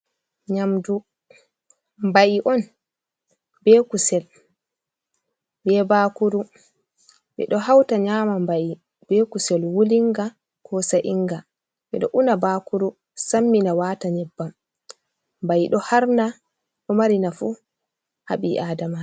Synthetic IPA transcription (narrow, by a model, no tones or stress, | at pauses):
ɲamdu | mbaʔiʔɔn | bɛːkusɛl | bɛbakuɾu | ɓɛ̰ɗɔɦawtaɲamambaʔi | b̥ekusɛlwuliŋɡa | kɔsaʔiŋɡa | ɓɛ̰ɗɔ̰ʔunabaːkuɾu | samːinawaːtaɲɛbːam | mbajiɗɔhaɾna | ɗɔmaɾinafu | ha̰ɓiʔaːdama